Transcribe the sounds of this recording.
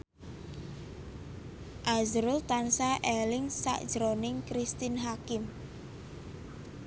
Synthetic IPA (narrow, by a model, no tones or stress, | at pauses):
ʔazɾʊlt̪ansaʔɛlɪŋsa̰ʔd̥ʒ̥ɾonɪŋkɾist̪ɪnɦakɪm